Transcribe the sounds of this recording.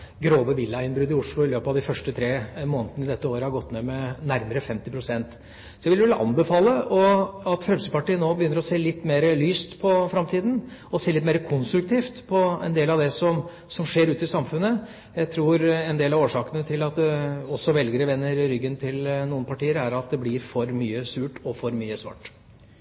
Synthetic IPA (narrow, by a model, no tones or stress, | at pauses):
ɡɾoːʋəʋɪlːɑɪnbɾʉːd̪ɪʊʂlʊɪløːpɑʋd̪ɪfœʂʈət̪ʰɾeːmoːnət̪ənɪd̪ɛt̪ːəoːɾəhɑɾɡɔt̪ːneːmɛnæɾməɾəfɛmt̪ɪpʰɾʊsɛnt̪ | sɔjæʋɪəʋɛlːəʔɑ̰nbəfɑːləʔɔɑt̪fɾɛmsəpɑʈiːənoːbəjʏnːəɾɔseːlɪt̪ːmeːɾəlyːst̪pʰɔfɾɑmt̪ʰiːd̪n̩ɔseːlɪt̪meːɾəkʰʊnst̪ɾʉk̚t̪ʰiːft̪pʰɔɛ̰nd̪eːlɑʋd̪ɛsɔm | sɔmʂeːɾʉːt̪ɪsɑmfʉnːə | jæɪt̪ʰɾuːɾɛnd̪eːlɑʋoːʂɑːkənət̪ʰɪlɑt̪d̪ɛɔsːɔʋɛlɡəɾəʋɛnːəɾɾʏɡːənt̪ʰɪlnuːənpɑʈiːəɾæɾɑt̪̚d̪ɛblɪɾfɔɾmyːəsʉːʈɔfɔɾmyːəsʋɑ̰ʈː